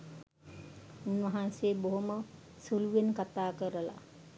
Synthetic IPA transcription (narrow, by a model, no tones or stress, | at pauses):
unʋəɦanseːboɦumə | suluʋenkat̪aːkəɾəla̰